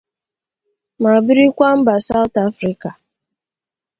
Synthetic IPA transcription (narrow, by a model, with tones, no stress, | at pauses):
ma˨bi˦ɾi˦kʷa˦m̩˦ba˨sa˦ʊ˦ta˦fɾi˦ka˨